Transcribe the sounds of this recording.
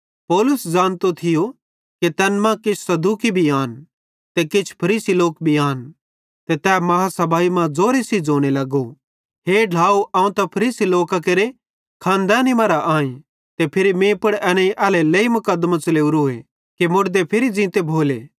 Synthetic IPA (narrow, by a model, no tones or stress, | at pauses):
pɔːlʊsd͡ʒãːñt̪ot̪ʰɪjo | ket̪ɛːnmãkɪt͡ʃʰsɐd̪uːkibʱiaːn | t̪ekɪt͡ʃʰpʰɐɾiːsiloːkbʱiaːn | t̪et̪ɛːmɐɦasɐbaːimãd͡zoːɾesid͡zoːɽ̃elɐɡo | ɦeːɖʱaːuʔɐ̃ːũt̪ɐpʰɐɾiːsiloːkak̬eɾe | kʰãːnd̪aːnimɐɾaʔaːĩ | t̪epʰɪɾimẽːpɐɽɛneiʔɛːlelɐimʊkəd̪ːmãt͡ʃɐleːuɾoːḛ | kemʊɽd̪epʰɪɾid͡zɪ̃ːt̪ebʱoːleː